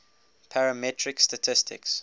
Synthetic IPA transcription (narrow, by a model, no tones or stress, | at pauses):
pʰaɹəmɛtʰɹɪkstatʰɪstʰɪ̰ks